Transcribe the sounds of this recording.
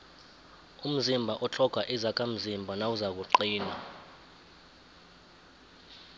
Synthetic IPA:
um̩zimbʱaʔɔt͡ɬʰɔɡ̥ʱaʔizak̬ʼam̩zimbʱanawuzak̬uǃiːna

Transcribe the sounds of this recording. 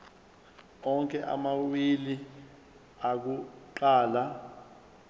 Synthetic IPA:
ɔŋkʼɛʔa̰mawili | ak̬uǃaːla

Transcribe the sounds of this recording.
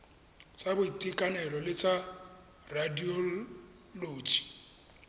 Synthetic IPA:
t͡sʼabʊitʼikʼanɛlɔlɪt͡sʼa | radiɔ | loːd͡ʒi̥

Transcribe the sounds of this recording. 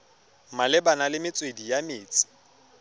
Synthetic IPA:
malɪbanalɪmɪt͡sʼwedijameːt͡sʼɪ̥

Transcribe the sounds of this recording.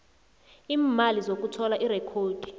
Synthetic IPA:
iːmalizok̬ʼutʰɔlaʔirɛkʰoːd̥ʱi̥

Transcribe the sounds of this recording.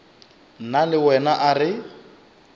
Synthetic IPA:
nalɪwɛnaʔarɪ

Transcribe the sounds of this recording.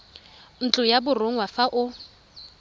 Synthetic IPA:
n̩t͡ɬʼʊjabʊroŋ̩wafaʔʊ

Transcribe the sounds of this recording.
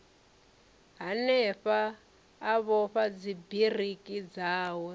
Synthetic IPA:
ɦanɛɸaː | βɔɸad͡zibirikʼid͡zaːwɔ

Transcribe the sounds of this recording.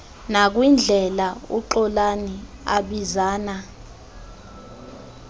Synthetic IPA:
nak̬wind͡ɮʱɛlaṵǃɔlani | a̰ɓizaːna

